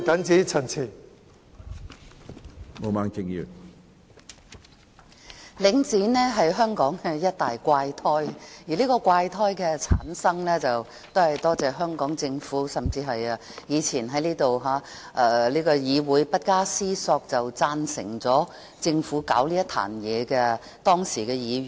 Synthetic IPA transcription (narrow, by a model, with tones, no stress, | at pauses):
kɐ˨˥nt͡siː˨˥t͡sʰɐ˨˩nt͡sʰiː˨˩ | mo˨˧maː˨˧˥ŋt͡sɪ˧ŋjyː˨˩ | lɪ˨˥ŋt͡siː˨˥nɛː˥ɦɐ˨jɦœː˥ŋkɔː˨˥ŋkɛː˧jɐ˥t̚t̪aː˨jkʷaː˧jt̪ʰɔː˥jjiː˨˩liː˥kɔː˧kʷaː˧jt̪ʰɔː˥jkɛː˧t͡sʰa̰ː˨˥nsɐ˥ŋlɛː˥t͡sɐ˨w | t̪o˥whɐ˨jt̪ɔː˥t͡sɛː˨ɦœː˥ŋkɔː˨˥ŋt͡sɪ˧ŋfuː˨˥sɐ˨mt͡siː˧ɦɐ˨jɐː˧ | jiː˨˧t͡sʰiː˨˩nɦɐ˨˥jliː˥t̪o˨wɦaː˨˥ | ʔɛː˨˧liː˥kɔː˧jiː˨˧wuː˨˥jpɐ˥t̚kaː˥siː˥sɔː˧k̚t͡sɐ˨wt͡saː˧nsɪ̰˨˩ŋt͡sɔː˨˥ | t͡sɪ˧ŋfuː˨˥kaː˨˥wliː˥jɐ˥t̪ʰa̰ː˨˩njɛː˨˧kɛː˧ | t̪ɔː˥ŋsiː˨˩kɛː˧jiː˨˧